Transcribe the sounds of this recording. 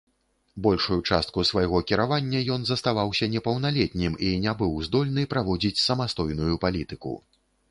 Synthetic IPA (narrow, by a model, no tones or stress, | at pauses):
bɔlʲʂujut͡ʂast̪̚kusvajɣɔkʲiɾavanʲːɐjɔn̪zɐst̪avawsʲɐnʲɛpɐwnalʲɛt̪̚ʲnʲiminʲɛbɨwzd̪ɔlʲnɨpɾavɔd͡zʲit͡sʲsɐmast̪ɔjnujupalʲit̪ɨkṵ